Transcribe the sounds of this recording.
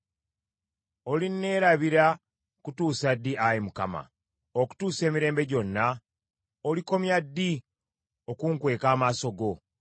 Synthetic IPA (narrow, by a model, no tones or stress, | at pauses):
o̞linːe̞ːɾaβiɾa | kutuːsadːiajemuka̰ma̰ | oku̥tuːse̞ːmiɾe̞ːmbe̞ɟo̞nːa | oliko̞mjadːi | okuŋkwe̞ːkaːmaːso̞ɡo̞